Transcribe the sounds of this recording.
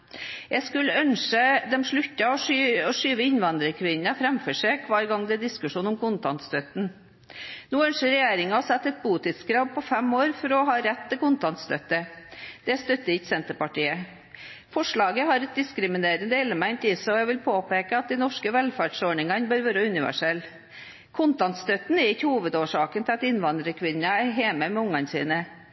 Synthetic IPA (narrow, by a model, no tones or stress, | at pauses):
jæɪskʉləœnʂəd̪ɛmʂɭʉt̪ːɑɔʂyɔʂyːʋəɪnʋɑnd̪ɾəkʰʋɪnɑfɾɛmfɔʂɛkʰʋɑːɾɡɑŋd̪ɛɛd̪ɪskʉʂuːnʊmkʰʊnt̪ɑnt̪st̪œt̪n̩ | nuːœnʂəɾɛjeːɾɪŋɑɔsɛt̪ːɛt̪̚buːt̪ɪt̪skɾɑːb̚pʰɔfɛmoːɾfɔɾɔɦɑːɾɛt̪ʰːɪlkʊnt̪ɑnt̪st̪œt̪əd̪̥ɛst̪œt̪ːəɪçsɛnt̪əpɑʈiːə | fɔʂɭɑːɡəɦɑɾɛt̪̚d̪ɪskɾɪmɪneːɾənd̪əɪlːəmæɪnt̪ɪsəɔjɛʋɪlpʰoːpeːkəɑt̪̚d̪ɪnɔʂkəʋɛlfæɖsoːɳɪŋɑnbœɾʋøːɾəʉnɪʋæ̰ʂɛlː | kʰʊnt̪ɑnt̪st̪œt̪n̩ɛɾɪçːəhuːʋəd̪oːʂɑːkənt̪ʰɪlɑt̪ɪnʋɑnd̪ɾəkʰʋɪnːɑæɾɦeːməmɛʊŋːɑnsḭːnə